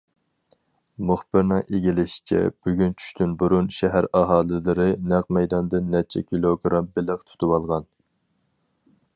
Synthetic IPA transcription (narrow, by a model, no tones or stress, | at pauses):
muχbɪɾnɨŋʔeɡʲilɪʃi̥t͡ʃʰɛ̰b̥yɡʲynt͡ʃʰy̥ʃt̪ʰynbuɾunʃɛɦæɾɑɦɑːlˠɨlˠɨɾɨnæq̚mɛjd̪ɑnd̪ɨnːɛt͡ʃʰɛ̰kʲʰilˠoɡɾɑmbɪləqt̪ʰu̥t̪ʰuwɑlˠʁɑn